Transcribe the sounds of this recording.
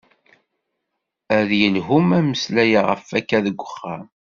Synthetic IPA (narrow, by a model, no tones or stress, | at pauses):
æðjəlɦumæməslæjaʁə̰fækːæðəɡʷːəχːæ